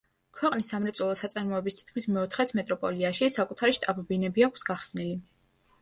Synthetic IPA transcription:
kʰwɛqʼnisːamɾɛt̪sʼulˠɔsat̪sʼaɾmɔɛbist̪ʰi̥t̪̚ʰkʰmismɛɔt̪ʰχɛt̪sʰmɛt̪ʼɾɔpʼɔliaʃisakʼut̪ʰaɾiʃt̪ʼabɔbinɛbiakʰsɡaχsnili

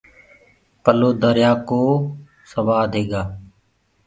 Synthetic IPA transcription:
pəloːd̪əɾjaːkoː | səʋaːd̪ʱɦeːɡaː

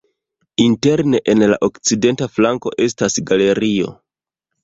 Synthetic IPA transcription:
inte̞ɾne̞ʔenla̰ʔo̞kt͡side̞ntaflaŋko̞̰ʔe̞stasɡale̞ɾio̞̰

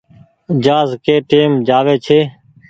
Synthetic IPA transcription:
d͡ʒaːzkeːʈeːmd͡ʒaːʋeːt͡ʃʰeː

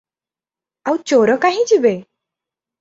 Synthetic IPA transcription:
awt͡ɕoɾəkaɦĩd͡ʑibe

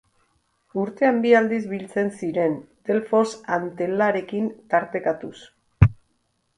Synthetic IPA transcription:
uɾt̪e̞ambiald̪izβilt͡se̞nsiɾe̞nt̪e̞lfo̞sant̪e̞laɾe̞kint̪aɾt̪e̞kat̪us

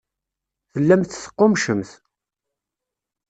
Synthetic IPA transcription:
θəlːæmθθə̥qːomʃəmθ

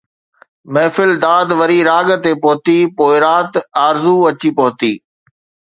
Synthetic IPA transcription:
mɛːfɪld̪aːd̪ʋɐɾiɾaːɠt̪epoːt̪ipoːɪɾaːt̪aːɾzuɐt͡ɕipoːt̪iː

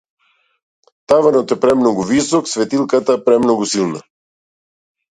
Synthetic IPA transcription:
t̪avanɔt̪ɛpɾɛmnɔɡuvisɔksvɛt̪ilˠkat̪apɾɛmnɔɡusilˠna̰

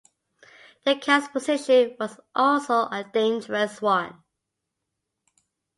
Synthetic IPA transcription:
ðəkʰaspʰəzɪʃə̃nwɔzʔɔlsoʊʔədẽɪ̃nd͡ʒəɹəswãɪ̃n

